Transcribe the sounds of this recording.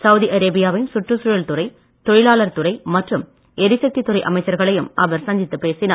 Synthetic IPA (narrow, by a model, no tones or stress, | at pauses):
sɐʊðiʔɐɾeːbɪjaːʋɪnsʊʈrɯsʊɻɐɭt̪ʊrɐɪ | t̪ɔɻɪlaːlɐɾt̪ʊɾɐɪmɐʈrɯm | ɛɾɪsɐk̚t̪it̪ːʊɾɐɪʔɐmɐɪt͡ʃːɐɾɣɐɭɐjɯmɐʋɐɾsɐɲd͡ʒɪt̪ːɯpeːsɪna